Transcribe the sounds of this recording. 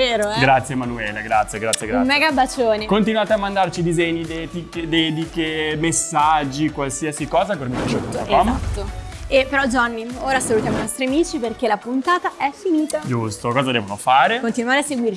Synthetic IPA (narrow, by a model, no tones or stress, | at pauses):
veːɾoɡɾat̪sːjemanuɛːleɡɾat̪sjeɡɾat̪sːjeɡɾamɛɡabːat͡ʃoːnikont̪inwaːt̪eamːand̪art͡ʃid̪izɛɲːid̪ɛt̪iked̪ɛd̪ikemesːad͡ʒːikwalsiasikɔːzapermet̪d͡ʒot̪akɔmat̪ːoepeɾɔd͡ʒanːioːɾasalut̪jaːmoinɔst̪ɾiamiːt͡ʃiperkelapunt̪aːt̪aʔɛfiniːt̪ad͡ʒust̪okɔːzad̪ɛːvonofaːɾekont̪inwaːɾeasːeɡwir